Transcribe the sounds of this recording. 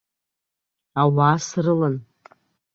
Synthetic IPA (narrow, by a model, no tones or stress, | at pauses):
awaːsrɨlɨn